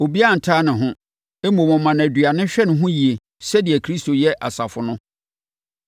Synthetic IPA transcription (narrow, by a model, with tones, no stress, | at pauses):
o˨bi˦a˦n̩˨tʰaː˦nɪ̃˨ɦʊ̃˦ | e˦mõ˨mʊ̃˨mã˨næ˨dɥa˨nɪ̃˦ɕᶣɛ˦nʊ̃˨ɦʊ̃˦ji˨e˨ | sɛ˦di˨ɛ˨kʰɾi˦sto˨jɛ˦ʔa̰˨sa˨fʊ˨nʊ̃˦